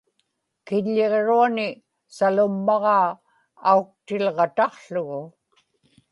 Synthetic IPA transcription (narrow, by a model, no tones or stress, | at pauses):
kɪʎːe̞ʁɻuanɪ | salʊmːɑʁɑː | auk̚t̪ɪlʁɑt̪ɑqɬʊɣʊ